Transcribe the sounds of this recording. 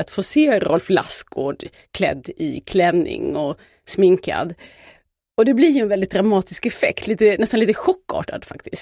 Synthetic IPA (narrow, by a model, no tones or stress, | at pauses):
at̪foːseːɾʔɔ̰lfla̰sɡoːɖ | kʰlɛ̰d̪ːɪ̰kʰlɛnːɪ̰ŋɔ | smɪŋka̰d̪ | ɔd̪ɛblɪɾjɵɛnvɛld̪ɪt̪̚d̪ɾamɑːt̪ɪskɛfɛ̰kt̪ʰliːt̪ənɛst̪anliːt̪əɧɔkːɑ̰ːʈad̪fakt̪ɪs